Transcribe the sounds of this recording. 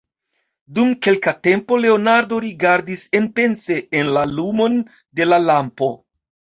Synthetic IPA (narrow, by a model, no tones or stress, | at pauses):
dumke̞lkate̞mpo̞le̞o̞naɾdo̞ɾiɡaɾdise̞npe̞nse̞ːnlalumo̞n | de̞lalampo̞